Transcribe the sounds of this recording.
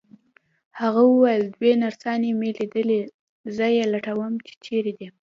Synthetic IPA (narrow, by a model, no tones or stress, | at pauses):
haɣawəwajəld̪wenaɾsɑnemelid̪əle | zəjelaʈawəmt͡ʃe̥t͡ʃeɾed̪i